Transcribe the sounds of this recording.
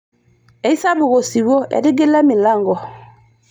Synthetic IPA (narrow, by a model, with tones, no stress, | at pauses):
e˨i˦sa˦bu˨ɣo˨si˨wo˦ḛ˨di˦ɡe˦la˦mi˨la˦˨ŋɡɔ˨